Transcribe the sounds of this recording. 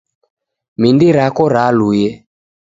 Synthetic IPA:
mindiɾakɔɾalujɛ

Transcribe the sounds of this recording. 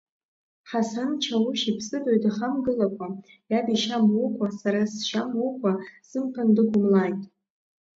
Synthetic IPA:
ħasant͡ʃʰawʊʃipʰsɨdojdaχamɡɨlakʷʰʼa | jabiʃamukʷʼasaɾasʃamukʷʼasɨmpʰandɨɡʷʊmlajtʼ

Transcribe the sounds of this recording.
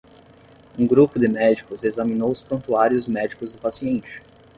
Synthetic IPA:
ũɡɾupʊd̪ɪmɛd͡ʒikʊzezɐmĩnowʊspõnt̪uaɾjʊzmɛd͡ʒikʊzd̪ʊpasiẽnt͡ʃɪ̥

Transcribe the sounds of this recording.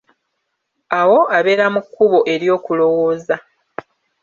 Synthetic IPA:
awo̞aβe̞ːɾamukːuβo̞ʔe̞ɾjo̞ːkulo̞wo̞ːza

